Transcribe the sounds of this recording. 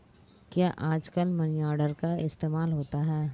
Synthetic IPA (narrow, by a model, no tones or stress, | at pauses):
kjaːʔaːd͡ʒkəlmɐnijaːɖəɾkaɪst̪eːmaːlɦoːt̪aɦɛː